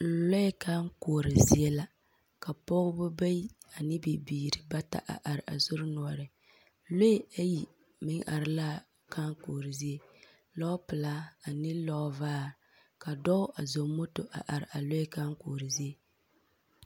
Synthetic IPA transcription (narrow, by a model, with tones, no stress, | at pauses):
lɔ˦ka˦ŋ˦koː˨ɾɪ˨zi˦e˦la˦ | ka˨pɔ˦ɡʊ˦bʊ˦ba˦ji˦a˨nɪ˦bi˨biː˨ɾɪ˨ba˦ta̰˨ʔa̰˨ʔa˨ɾɪ˨ʔa̰˨zʊ˦ɾɪ˦nʊ˨ɔ˨ɾɪ˨ | lo˦a˦ji˨ | mɪ˦ŋʔa̰˨ɾɪ˨laː˦˨ | ka˦ŋkoː˨ɾɪ˨zi˦e˦ | lɔ˦pɨ˨laː˦a˨nɪ˦lɔ˦vaː˦˨ | ka˨dɔ˦ʔa˨zo˨mo˦to˨ʔa̰˨ʔa˨ɾɪ˨a˨lɔ˦ɛ˦ka˦ŋ˦koː˨ɾɪ˨zi˦e˦